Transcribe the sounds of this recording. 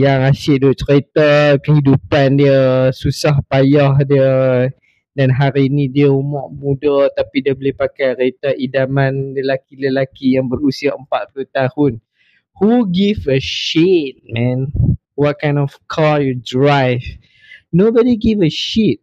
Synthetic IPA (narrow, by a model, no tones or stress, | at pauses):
jaŋaʃɪʔ̚duʔt͡ʃɾet̪akəhidupandiəsusahpajahdiə | danɦaɾiːnĩdiəumɔʔmũdət̪apidiəbolipakajɾet̪aʔidamãnləlakiləlakijaŋbəɾusiaʔəmpat̪̚puluht̪ahʊn | huɡivəʃit̚mɛ̃n | wɔt̚kãjnɔfkʰɔjɔdɹajv | nobɔdiɡivəʃit̚